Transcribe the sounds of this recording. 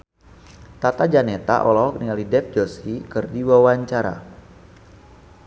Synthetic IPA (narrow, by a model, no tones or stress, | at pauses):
t̪at̪ad͡ʒanet̪a̰ʔɔlɔkniŋalidɛp̚d͡ʒosikɨrdiwawaɲt͡ʃaɾa̰